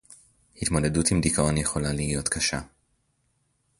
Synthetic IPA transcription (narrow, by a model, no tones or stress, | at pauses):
hit̪mo̞de̞dutimdikʰaʔo̞njeχo̞lalijo̞t̪kʰaʃa